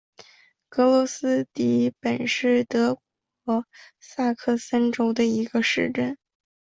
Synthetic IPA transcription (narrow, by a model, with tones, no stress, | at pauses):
kɤ˧˥lwɔ˧˥sɹ̩˥t̪i˧˥pə˨˩nʂɻ̩˥˩t̪ɤ˧˥k̚ | ɔ˧˥sa˥˧kʰɤ˥˩sə˥nʈ͡ʂo˥ʊd̪ə˧i˧˥ɡə˧ʂɻ̩˥˧ʈ͡ʂə˥˩n